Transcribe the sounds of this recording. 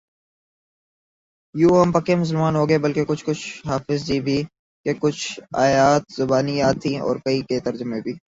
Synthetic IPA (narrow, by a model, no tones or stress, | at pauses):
juːɐmpɐkemʊs̬əlmaːnɦoːɡɐebɐlkekʊt͡ʃʰkʊt͡ʃʰɦaːfɪzd͡ʒibʱiː | kekʊt͡ʃʰa̰ːjaːt̪zʊbaːnijaːt̪ʰːĩɔ̰ːɾkɐiket̪ɐɾd͡ʒʊmebʱiː